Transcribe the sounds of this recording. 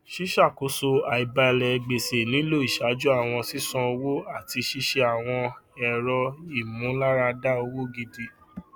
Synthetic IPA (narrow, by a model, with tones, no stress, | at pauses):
ʃi˦ʃa˦˨ko˨˦so˧a˨i˨ba˧ɛ˧lɛ˨˧ɡ͡be˨se˨nĩ˨˦lo˦˨i˨ʃa˨˦d͡ʒu˦a˦˨w̃ɔ̃˧si˦sɔ̃˧o˧wo˦a˦˨ti˧ʃi˦ʃe˧a˨w̃ɔ̃˧ɛ˨ɾɔ˧i˦˨mũ˨˦la˦ɾa˧da˦o˧wo˦ɡi˧de˧